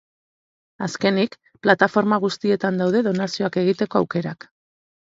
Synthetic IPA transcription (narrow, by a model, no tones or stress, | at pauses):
aske̞nik | plat̪afo̞ɾmaɣ̞ust̪ie̞t̪and̪awðe̞ð̞o̞nasio̞ake̞ɣ̞it̪e̞ko̞awke̞ɾak